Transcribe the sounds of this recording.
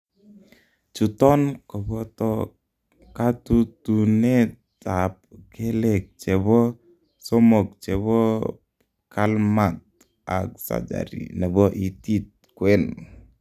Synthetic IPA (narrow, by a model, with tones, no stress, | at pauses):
t͡ʃu˨tɔ˦nkɔ˨bɔ˦tɔ˦ | ka˦tu˦tu˨ne˦t | a˨p̚ke˦lɛ˨k̚t͡ʃɛ˨bɔ˦ | sɔ˦mo˨k̚t͡ʃɛ˨bɔ˦ | kʰa˦lma˨t̚ | a̰˨k̚sa̰˦d͡ʒa̰˨ɾḭ˨nɛ˨bɔ˦ʔi˨ti˦t̚ | kwɛ˦n